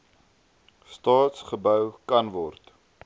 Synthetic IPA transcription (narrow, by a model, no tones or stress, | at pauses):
stɑːtsχəbœwkɐnvɔrt